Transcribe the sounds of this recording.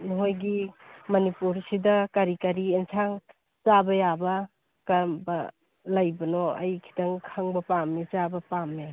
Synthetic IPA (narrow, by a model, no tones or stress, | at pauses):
nɔɦojɡimɐnipuɾsidɐkaɾikaɾiensʰaŋ | t͡ʃabɐjabɐ | kambɐ | lajbɐnɔɐ̰jkʰi̥taŋkʰaŋbɐpamːit͡ʃabɐpamːe